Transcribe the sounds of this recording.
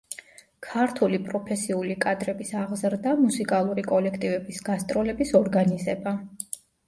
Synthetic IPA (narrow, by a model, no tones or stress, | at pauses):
kʰaɾt̪ʰulipʼɾɔpʰɛsiulikʼad̪ɾɛbisaʁzɾd̪amusikʼalˠuɾikʼɔlɛkʰt̪ʼivɛbisɡ̥ast̪ʼɾɔlɛbisɔɾɡanizɛba